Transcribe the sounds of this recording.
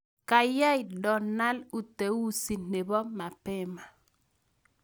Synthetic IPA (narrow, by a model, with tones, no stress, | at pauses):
ka˨ja˦i˨dɔ˨na˦lu˨te˨wu˦si˨ne˨bɔ˦ma˨pɪ˦ma˨